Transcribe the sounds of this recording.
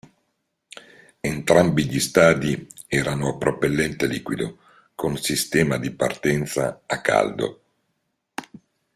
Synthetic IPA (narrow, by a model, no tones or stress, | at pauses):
ent̪ɾambiʎist̪aːd̪iɛːɾanoapːɾopelːɛnt̪eliːkwid̪o̰ | kʰonsist̪ɛːmad̪ipa̰rt̪ɛnt̪sa̰ːkːa̰ld̪o̰